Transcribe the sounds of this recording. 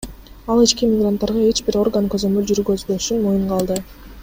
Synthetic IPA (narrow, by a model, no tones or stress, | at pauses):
ɑlˠit͡ʃkimʲɪɡrant̪ːɑɾʁɑe̞t͡ʃbiɾo̞rɡankøzø̞mylʲd͡ʒyɾɡøzbøʃynmojuɴqʰɑlˠd̪ɯ